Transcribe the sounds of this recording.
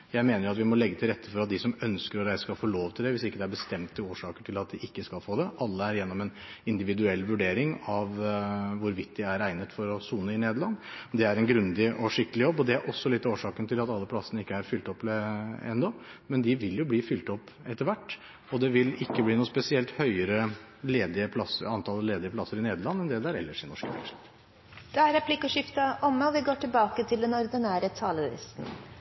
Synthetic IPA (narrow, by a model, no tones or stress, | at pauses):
jæɪmeːnəjʊɑt̪ʋɪmɔlɛɡːət̪ʰɪɾɛt̪ʰːəfɔɾɑt̪̚d̪ɪsɔmœnskəɾɔɾæɪsə̥kɑfoːloːʋt̪ʰɪld̪ɛʋɪsɪkːəd̪ɛæɾbəst̪ɛmt̪ʰːɪloːʂɑːkəʈʰɪlɑt̪̚d̪ɪʔɪkːəskɑlfoːd̪ɛʔɑlːəæɾjɛnːɔmɛn | ɪnd̪ɪʋɪd̪ʉɛlːʋʉɖeːɾɪŋɑʋʋʊɾʋɪt̪̚ːd̪ɪæɾæɪnət̪fɔɾɔsuːnəɪneːd̪lɑnːd̪ɛæɾɛnɡɾʉnd̪ɪʔɔʂɪkːəlɪjɔbːɔd̪ɛæɾʔɔsːɔlɪt̪ːɑoːʂɑːkənt̪ʰɪlɑt̪ɑlːəpʰlɑsːənəɪkːəæɾfʏlt̪ɔp̪ːɛ̰nd̪ɔmɛnd̪ɪʋɪljʊbliːfʏlt̪ɔpːɛt̪ːəɾʋæʈː | ɔd̪ɛʋɪlɪkːəbliːnuːspɛsɪɛlt̪hœʏəɾə | leːd̪ɪəpʰlɑsːəɑnt̪ʰɑːlːəleːd̪ɪəpʰlɑsːəɾɪneːd̪əɾɭɑnːɛnd̪ɛd̪ɛæɾɛ̰lːəʂɪnɔʂkəfɛ̰ʂ | d̪̥ɛæɾɛpʰlɪkːəʂɪft̪ɑʔɔmːəɔʋɪɡoːʈɪlbɑːkət̪ʰɪld̪ɛnɔɾd̪ɪnæːɾət̪ʰɑːləɪ̰st̪n̩